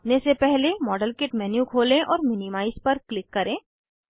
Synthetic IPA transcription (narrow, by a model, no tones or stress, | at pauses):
nesepɛɦlemɔːɖəlkɪʈmɛːnjũkʰoːlẽʔɔːɾmɪnɪmaːɪspɐɾklɪkːɐɾẽː